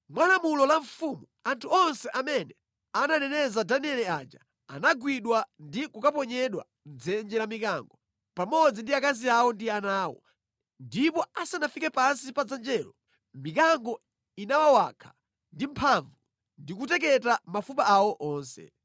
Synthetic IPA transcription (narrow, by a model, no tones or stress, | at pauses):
mwalamulɔlaɱfumuantʰuɔnsɛʔamɛnɛ | ananɛnɛzadaniɛlɛad͡ʒa | a̰naɡwiɗwandikukap̬ɔɲɛɗwa̰ | nd͡zɛnd͡ʒɛlamikaŋɡɔ | pamɔd͡zindiakaziawɔndianaːwɔ̰ | ndipɔasanafikɛpansipad͡zand͡ʒɛːlɔ | mikaŋɡɔ | inawawakʰḁ | ndimpʰaɱvu | ndikutɛk̬ɛtamafupaʔawɔʔɔːnsɛ̰